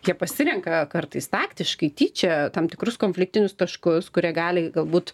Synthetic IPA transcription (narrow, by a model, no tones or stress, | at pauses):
jiɛpɐsʲɪɾʲɛŋkɐkɐrt̪ɐɪst̪ɑːkt̪ʲɪʃkɐɪt̪ʲiːt͡ʃʲɛt̪ɐmt̪ʲɪkɾʊskoːnʲfʲlʲɪk̚t̪ʲɪnʲʊst̪ɐʃkʊskʊɾʲiɛɡɑːlʲɪɡɐlˠbuːt̪